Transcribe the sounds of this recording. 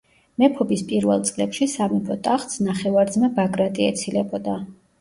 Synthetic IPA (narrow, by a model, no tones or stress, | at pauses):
mɛpʰɔbispʼiɾvɛ̰lˠt̪sʼlɛpʃisamɛpʰɔt̪ʼaχt̪snaχɛvaɾd̪zmabaɡɾat̪ʼiɛt̪sʰilɛbɔd̪a